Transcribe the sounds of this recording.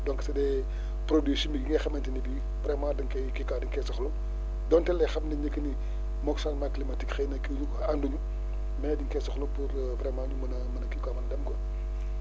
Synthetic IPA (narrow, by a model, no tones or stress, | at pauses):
dɔŋkɐsɐdɛ | pɾodisimiɡiŋɐxɐmɐntinibi | pɾɛmaːdɐŋkɐkikaːdiŋkɛsɐxlu | dɔntɛlːɛxɐmniɲəkːɐni | mɔksɐnmaklimɐtikxejnɐkidukanduɲu | mɛːdiŋkɛsɐxlupuɾ | pɾɛmaːndumɐnɐmɐnɐkikaːmɐndɐmkɔ